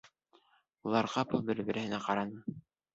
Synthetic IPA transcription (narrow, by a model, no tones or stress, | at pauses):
ulˠɑɾʁɑpɤlˠbɘɾbɘ̆ɾʔɘ̆hɘ̆næqɑɾɑnɤ